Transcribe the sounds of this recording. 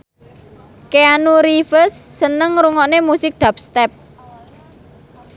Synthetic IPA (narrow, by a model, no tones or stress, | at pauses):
keanuɾifəsːənəŋɾuŋɔnemusɪk̚d̪̥ap̚st̪ɛp̚